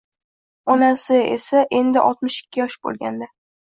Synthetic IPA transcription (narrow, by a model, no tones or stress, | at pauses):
ɒnasɪḛsaʔe̞nd̪ɪʔɒ̰lˠt̪mɪʃɪ̥kʲːɪjɒʃbo̰lˠɡʲa̰nd̪a